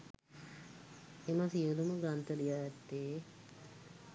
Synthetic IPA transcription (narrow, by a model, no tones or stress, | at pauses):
emasiəluməɡɾant̪əlijaːjɛt̪ːeː